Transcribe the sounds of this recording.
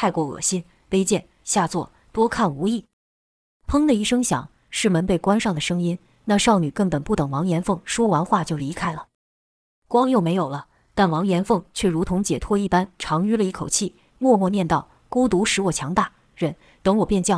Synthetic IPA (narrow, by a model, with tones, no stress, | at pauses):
t̪ʰa˥˧ɪkwɔ˥˩ɤ̰˨˩ɕi˥n | pe˥ɪt͡ɕjɛ˥˩n | ɕja˥˧t͡swɔ̰˥˩ | t̪wɔ˥kʰa˥˩nu˧˥i˥˩ | pʰɤ˥ŋd̪ə˨i˥˩ʂɤ˥ŋɕjɑ̰˨˩˦ŋ | ʂɻ̩˥˩mə˧˥npe˥˩ɪkwa˥nʂɑ˥˩ŋd̪ə˩ʂɤ˥ŋi˥n | na˥˧ʂɑ˥˩ʊny˨˩kə˥˩npə˨˩npu˥˩t̪ɤ˨˩ŋwɑ˧˥ŋjɛ˧˥nfɤ˥˩ŋʂwɔ˥wa˧˥nxwa˥˧t͡ɕjo˥˩ʊli˧˥kʰa˥ɪlə˨˩ | kwɑ˥ŋjo˥˩ʊme˧˥ɪjo˨˩ʊlə˦ | t̪a˥˩nwɑ˧˥ŋjɛ˧˥nfɤ˥˧ŋt͡ɕʰɥɛ˥˩ɻu˧˥t̪ʰʊ˧˥ŋt͡ɕjɛ˨˩t̪ʰwɔ˥i˥˩pa˥nʈ͡ʂʰɑ˧˥ŋy˥lə˨˧i˥˩kʰo˨˩ʊt͡ɕʰi˥˩ | mwɔ˥˧mwɔ˥˧njɛ˥˧nt̪ɑ˥˩ʊ | ko˥ʊt̪u˧˥ʂɻ̩˧˥wɔ˥˩t͡ɕʰjɑ˧˥ŋt̪a˥˩ | ɻə˥˧˩n | t̪ɤ˧˥ŋwɔ˨˩pjɛ˥˧nt͡ɕjɑ˥˩